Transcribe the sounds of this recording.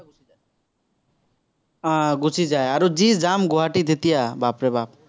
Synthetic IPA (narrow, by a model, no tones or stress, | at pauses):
aɡut͡ʃʰid͡ʒaeaɾod͡ʒid͡ʒamɡoɦaʈid̪ʱet̪ijabapɾebap̚